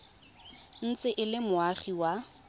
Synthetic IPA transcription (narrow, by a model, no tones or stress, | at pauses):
n̩t͡sɪʔɪlɪmʊaχiwa